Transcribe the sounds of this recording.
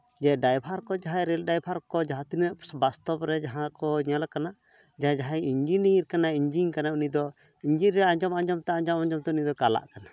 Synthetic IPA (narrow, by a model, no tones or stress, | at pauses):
d͡ʒɛɖajpʰaɾkɔd͡ʒaɦajɾɛlɖajpʰaɾkɔd͡ʒaɦat̪inəʔbast̪ɔbɾɛd͡ʒaɦãkɔɲalkana | d͡ʒaɦãd͡ʒaɦajiɲd͡ʒiniɾkanaiɲd͡ʒiɲkanaunid̪ɔ | iɲd͡ʒiɾɛad͡ʒɔmaɲd͡ʒɔmt̪ɛãɲd͡ʒɔmaɲd͡ʒɔmt̪ɛunid̪ɔkala̰ʔkana